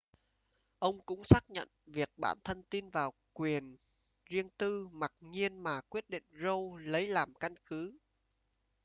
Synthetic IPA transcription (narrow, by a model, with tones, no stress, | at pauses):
ʔə˧wŋ͡mkʊ̰˧˥ŋ͡msaː˦˥k̚ɲə̰˧˨nvi˨˩ək̚ɓa̰ː˧˩nt̪ʰə˧nt̪i˧nvaː˨˩w | kwi˨˩ən | zi˧əŋt̪ɨ˧ma˨˩t̚ɲi˧ənmaː˨˩kwi˦˥ət̚ɗḭ˧˨ŋ̟zo˧wlə˨˦jlaː˨˩mka˧nkɨ˨˦